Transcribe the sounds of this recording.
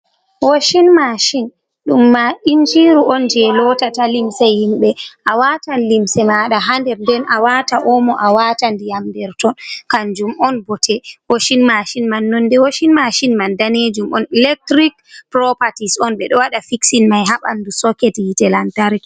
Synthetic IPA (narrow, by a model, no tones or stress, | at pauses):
woʃinmaʃin | ɗumːaʔind͡ʒiɾuʔɔnd͡ʒɛlɔtatalimsɛhimɓɛʔawaːtanlimsɛmaɗaɦandɛɾndɛnʔawataʔɔmɔʔawaːtandijamdɛɾtɔnkand͡ʒumɔnbɔtʰɛwoʃinmaʃinmanːɔndɛwoʃinmaʃinmandaned͡ʒumʔɔ̰nilɛk̚tɾikpɾɔpatisɔnɓɛɗɔwaɗafiksinmajɦaɓa̰ndusɔkɛtjitɛlantaɾk